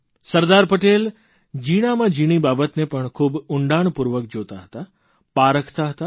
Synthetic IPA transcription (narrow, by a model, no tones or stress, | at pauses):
səɾd̪aɾpəʈel | d͡ʒiɽ̃amãd͡ʒiɽ̃ibabət̪nepəɳkʰuːbʊɳɖaɳ̃puɾʋək̚d͡ʒot̪aɦə̥t̪a | paɾəkʰt̪aɦət̪a